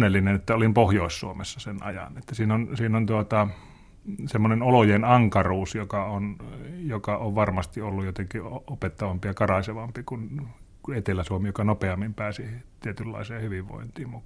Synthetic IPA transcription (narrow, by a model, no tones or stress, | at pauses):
nːelːinenet̪ːæolimpohjoˑissṵomesːɑsenɑ̰jɑ̰net̪ːæsiːnonsiːnont̪uot̪ɑ | semːonenolojenɑŋkɑruːsjokɑonjokɑoʋʋɑrmɑst̪iolːujot̪eŋkioopet̪ːɑʋɑmpijɑkɑrɑseʋɑmpikun | kuet̪elæsuomijokɑnopeɑmːimpæːsit̪iet̪ylːɑ̰iseːhyʋiʋʋo̰int̪iːmu